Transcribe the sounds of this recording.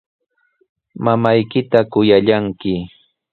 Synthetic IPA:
mamajkɪt̪akʊjaʎaŋkɪ

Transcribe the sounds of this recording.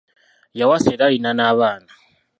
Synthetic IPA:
jawaseɾainanaβaːna

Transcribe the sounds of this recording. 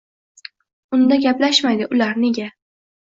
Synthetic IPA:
ʊnd̪aɡʲaplaʃmajd̪ɪʔʊlaɾne̞ɡʲa

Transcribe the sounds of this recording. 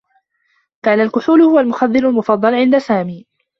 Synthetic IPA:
kaːnalkʊħuːlʊhʊwalmʊxaðːɪlalmʊfɑd̪ˤːɑlʕɪnd̪asaːmiː

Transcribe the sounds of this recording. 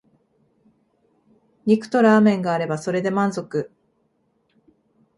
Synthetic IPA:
ɲʲikɯ̟̥t̪o̞ɾaːmẽ̞ŋɡaːɾe̞baso̞ɾe̞d̪e̞mãnzo̞kɯ̟

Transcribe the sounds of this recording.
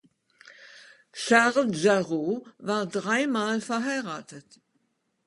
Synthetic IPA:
ʃaʁlʒaʁovaːɐdʁaɪmaːlfɛɐɦaɪʁaːtət

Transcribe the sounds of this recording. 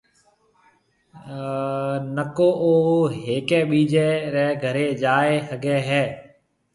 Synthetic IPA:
nəkoːʔoːɦeːkeːɓiːd͡ʒeːɾɛːɡʱəɾeːd͡ʒaːeːsəɡeːɦɛː

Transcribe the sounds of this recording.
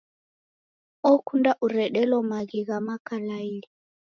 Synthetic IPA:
ɔkʰundaʔuɾɛɗɛlɔmaɣiɣamakalaiɺi

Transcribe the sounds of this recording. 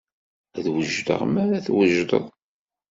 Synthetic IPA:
æðwəʒd̪ə̰ʁmæɾæθwəʒd̪ə̰ðˤ

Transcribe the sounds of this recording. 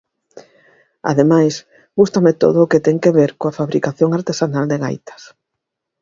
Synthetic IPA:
a̰ðemajs | ɡust̪amet̪o̰ðoːket̪ɛŋkeβeɾkoafaβɾikaθjoŋaɾt̪esanald̪eɣa̰jt̪ɐ̥s

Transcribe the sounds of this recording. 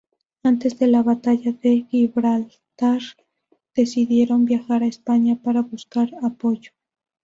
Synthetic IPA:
ant̪e̞zðe̞laβat̪aʝaðe̞ɣiβɾal | t̪aɾ | d̪̥e̞siðje̞ɾo̞mbjaxaɾaespaɲapaɾaβuskaɾapo̞ʝo

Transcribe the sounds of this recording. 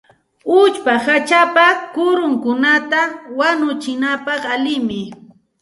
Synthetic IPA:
ʊt͡ʃpahat͡ʃapakʊɾʊŋkʊnat̪awanʊt͡ʃɪnapɑχalɪmɪ

